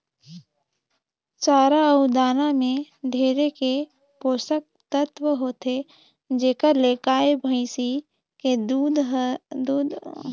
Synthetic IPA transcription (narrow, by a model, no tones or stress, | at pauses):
t͡ʃaːɾaəud̪aːnamẽ | ɖʱeːɾeke | poːsək̚t̪ət̪wəɦoːt̪e | d͡ʒeːkəɾleːkaːebʱəɪsi | ked̪ud̪d̪uːd̪